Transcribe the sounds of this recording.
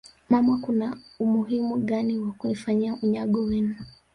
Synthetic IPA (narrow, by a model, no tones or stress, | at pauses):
mamakunaumuɦimuɠaniwakunifaɲiaʔuɲaɠɔwɛnu